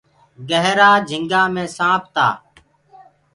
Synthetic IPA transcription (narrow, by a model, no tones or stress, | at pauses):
ɡəɦɾaːd͡ʒʱɪŋɡaːmẽːsãːp̚ʰt̪a̰ː